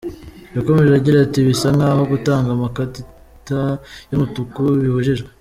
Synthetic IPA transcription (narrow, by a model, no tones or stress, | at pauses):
jako̞me̞ʒeaɟiɾatiβisaŋɡahoɡutaːŋɡamakati | tajomutukuβihuʒiʒɡwe